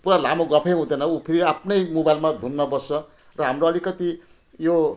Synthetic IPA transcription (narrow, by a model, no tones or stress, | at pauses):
puɾalamoɡʌpʰejɦũd̪ʌnʌupʰiɾiapʰnʌjmobajlmad̪ʱunːʌbʌsʌ | rʌɦamroʌlikʌt̪i | jo